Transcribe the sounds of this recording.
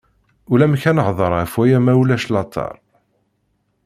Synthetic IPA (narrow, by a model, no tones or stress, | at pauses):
ulæmçænəʁðˤəɾˤæfwæjæmæwlæʃlɑt̪ˤʰɑ̰ɾˤ